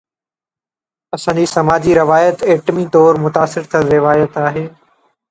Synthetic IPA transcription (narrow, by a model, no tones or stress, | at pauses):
ɐsãːd͡ʑisɐmaːd͡ʑiɾɪʋaːjət̪eːʈmit̪ɔːɾmʊt̪aːsɪɾt̪ʰɐɾɪʋaːjət̪aːɦeː